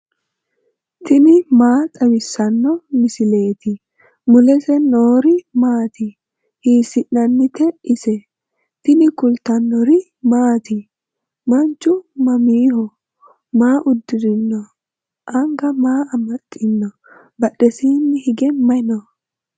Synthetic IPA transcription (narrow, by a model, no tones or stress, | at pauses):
t̪ɪnɪmaːt̪ʼɐwɪsːɐnːɔmɪsɪle̞ːt̪ɪ | mʊlɛsɛnoːɾɪmaːt̪ɪ | thiːsɪnːɐnːɪt̪ɛɪsɛ | t̪ɪnɪkʊlt̪ɐnːɔɾɪ | maːt̪ɪ | mɐnt͡ʃːʊmɐmiːhɔ | maːʔʊd̪ːɪɾɪnːɔ | ʔɐŋɡɐmaːɐmɐt̪ʼːɪnːɔ | bɐɗɛsiːnːɪhɪɡɛmɐnɔ